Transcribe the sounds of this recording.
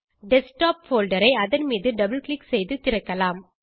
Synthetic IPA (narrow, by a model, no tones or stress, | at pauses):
ɖɛsʈaːpfoːlɖɐɾɐɪɐðɐnmiːðɯɖɐbɐlklɪksɛjðɯt̪ɪɾɐkːɐlaːm